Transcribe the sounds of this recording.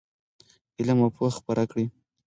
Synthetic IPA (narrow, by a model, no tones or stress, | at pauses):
ɪlamapoxpaɾʔakɽi